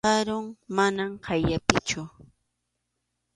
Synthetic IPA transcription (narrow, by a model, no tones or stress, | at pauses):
ɑɾʊŋmanamhajapɪt͡ʃʊ